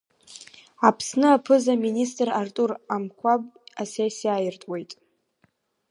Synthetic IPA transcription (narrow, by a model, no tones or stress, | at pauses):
apʰsnɨapʰɨzaministʼrartʼuramkʷʰabʼasesiajɪrtʼwe̞jtʼ